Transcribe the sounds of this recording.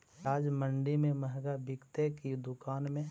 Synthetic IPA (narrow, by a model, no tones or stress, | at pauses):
aːd͡ʒmə̃ɳɖimẽməɦɡabɪkt̪ekid̪ʊkaːnmẽ